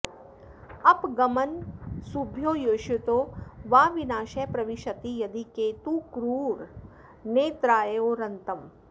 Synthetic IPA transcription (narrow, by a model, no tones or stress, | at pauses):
ɐpɡɐmɐnsubʱjoːjoːʃut̪oːʋaːʋinaːʃeːpɾɐʋiʃɐt̪ijɐd̪ikeːt̪ukɾuːɾ | neːt̪ɾaːjeoːɾɐnt̪ɐm